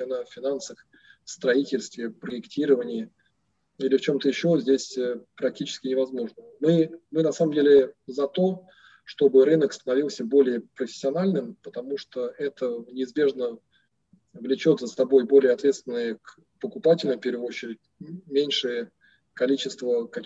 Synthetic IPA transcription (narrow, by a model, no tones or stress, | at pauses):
ɪnafʲɪnansəx | fst̪ɾɐitʲɪlʲst̪vʲɪpɾəɪktʲʰiɾəvənʲɪjə | ilʲɪft͡ɕo̞mt̪əjɪɕːo̞zʲdʲesʲəpɾɐk̚tʲit͡ɕɪ̥skʲɪnʲɪvɐzmo̞ʐnəmɨmɨnɐsaməmdʲelʲɪzɐt̪o̞ | ʂt̪o̞bɨɾɨnəkst̪ənɐvʲilˠsʲəbo̞lʲɪjəpɾəfʲɪ̥sʲːɪɐnalʲnɨmpət̪ɐmuʂt̪oɛt̪ənʲɪɪzbʲe̞ʐnə | vlʲɪt͡ɕo̞t̪səst̪ɐbo̞jbo̞lʲɪjəɐt̪vʲet̪st̪vʲɪnːɨjək | pəkʊpatʲɪlʲnəmpʲe̞ɾvəɪot͡ɕːɪɾʲɪt̚ʲmʲenʲʂɨjə | kɐlʲit͡ɕɪst̪vəkɐ